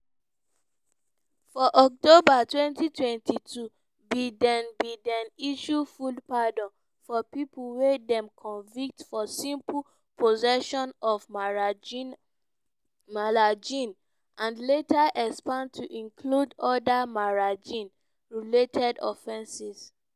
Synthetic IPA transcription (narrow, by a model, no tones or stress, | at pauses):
fɔʔɔk̚tobatwɛ̃ntitʰwɛ̃ntʰitʰu | bidɛ̃nbidɛ̃niʃufudpadɔ̃n | fɔpipʰuwedɛ̃mkʰɔ̃nvik̚tfɔsĩmpʰ | pʰozɛʃɔ̃nɔv | malad͡ʒĩn | ʔãnletʰaʔɛkspãndtʰuʔĩŋkʰludɔdamaɹad͡ʒĩn | ɹiletʰɛdɔ̰fɛ̃nsis